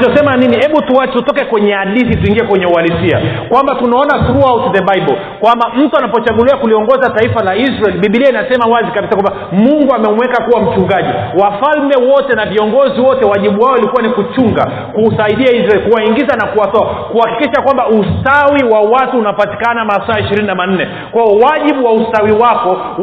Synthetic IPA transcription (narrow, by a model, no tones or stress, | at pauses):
t͡ʃɔsɛmaninihɛɓutuwat͡ʃɛutɔkɛkwɛɲɛaliθituiŋɡiɛkwɛɲɛualisia̰kwambatunaɔnasuɾuawtðɛɓaɓɔ | kwambam̩tuanapɔt͡ʃaɠuliakuliɔŋɡɔzataifalaizɾaɛliɓiɓiliainasɛmawazikaɓisakwama | muŋɡuamɛmuwɛkakuwam̩t͡ʃuŋɡaʄiwafalmɛwɔtɛnaviɔŋɡɔziwɔtɛwaʄiɓuwaɔilikuwanikut͡ʃuŋɡa̰ | kusaiɗiaizɾaɛlkuwaiŋɡizanakuwatɔakuhakikiʃakwambaustawiwawatuːnapati̥kanamasaaiʃiɾininaman̩nɛ | kwaɔwaʄiɓuwaustawiwakɔ